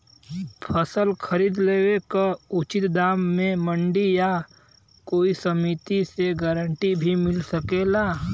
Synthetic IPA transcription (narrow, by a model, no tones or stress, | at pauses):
pʰəsəlkʰəɾiːd̪leːwekaʊt͡ʃɪt̪d̪aːmːẽmə̃ɳɖija | koːisəmit̪iseɡəɾə̃ɳʈibʱimɪlsəkeːlaː